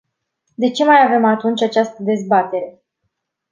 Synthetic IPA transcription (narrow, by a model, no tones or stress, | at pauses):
d̪e̞t͡ʃe̞majave̞mat̪unt͡ʃʲat͡ʃast̪əd̪e̞zbat̪e̞ɾe̞